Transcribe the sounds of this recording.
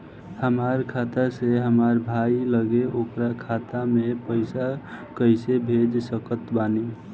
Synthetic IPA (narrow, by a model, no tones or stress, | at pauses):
həmaɾkʰat̪aseɦəmaɾbʱajləɡeokɾakʰat̪amepəjsakəjsebʱed͡ʒsəkət̪bane